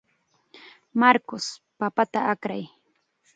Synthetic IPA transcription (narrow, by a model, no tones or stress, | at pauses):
maɾkʊspapat̪aakɾaj